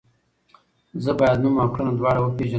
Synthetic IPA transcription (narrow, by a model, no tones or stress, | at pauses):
zəbɑjad̪numakɽanad̪wɑːɽawəpeʒə